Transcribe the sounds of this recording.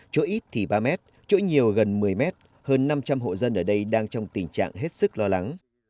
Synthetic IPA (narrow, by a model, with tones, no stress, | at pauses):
t͡ɕo̰˧˦˥ʔi˦˥t̚t̪ʰi˨˩ɓaː˧mɛ˦˥t̚ | t͡ɕo̰˧˥ɲi˨˩əwɣə˨˩nmɨ˨˩əjmɛ˦˥t̚ | həː˧nːa˧mt͡ɕa˧mɦo̰˧˨zə˧nʔəː˧˩ɗə˧jɗaː˧ŋt͡ɕɔ˧wŋ͡mt̪i˨˩ŋ̟t͡ɕa̰ː˧˨ŋɦe˦˥t̚sɨ˦˥k̚lɔ˧la˨˦ŋ